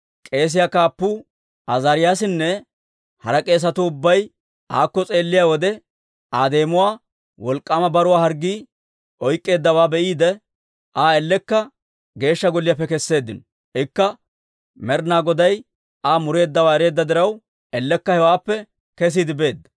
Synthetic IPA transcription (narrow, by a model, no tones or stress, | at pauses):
kʼe̞ːs̬ɪjakaːpːuː | ɐzaːɾɪjaːsɪnːɛ | hɐɾɐkʼe̞ːs̬ɐt̪ʊʊbːɐj | ʔaːkːɔt͡sʼe̞ːlːɪjawɔd̪ɛ | ʔaːd̪e̞ːmʊwaː | wɔlkʼːamɐbɐɾʊwaːhɐɾɡːiː | ʔɔjkʼːe̞ːd̪ːɐwaːbɛʔiːd̪ɛ | ʔaːɛlːɛkːɐ | ɡe̞ːʃːɐɡɔlːɪjap̬ːɛkɛsːe̞ːd̪ːɪnɔ | ɪkːɐ | mɛɾnaːɡɔd̪ɐj | aːmʊɾe̞ːd̪ːɐwaːɛɾe̞ːd̪ːɐd̪ɪɾɐw | ɛlːɛkːɐhɛwaːpːɛ | kɛs̬iːd̪ɪbe̞ːd̪ːɐ